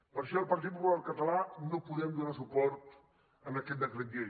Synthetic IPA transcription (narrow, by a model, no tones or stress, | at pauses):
pəɾʃɔəlˠpɐrt̪̬it̪̚pupularkɐt̪ɐlanopuðɛmd̪unasupɔɾt̪ | ənɐkɛt̪̚d̪ɐklɐd̪e